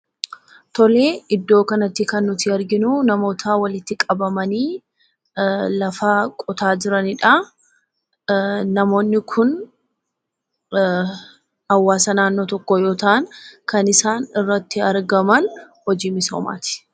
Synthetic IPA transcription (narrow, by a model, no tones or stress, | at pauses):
t̪ɔleːɪd̪ːo̞ːkɐnɐt̪ːɪkɐnːʊt̪ɪɐɾɡɪnʊnɐmo̞ːt̪ʰaːwɐlɪt̪ːɪkʼɐbɐmɐniː | lɐfaːkʼɔt̪aːd͡ʒɪɾɐnɪᶑa | nɐmo̞ːnːɪkʰʊn | hɐwːaːsɐnaːnːo̞ːt̪ɔkːɔjo̞ːt̪ɐʔɐnkɐnɪsaːnɪrːɐt̪ːɪɐɾɡɐmɐn | hɔd͡ʒiːmɪso̰ːma̰ːt̪ɪ̥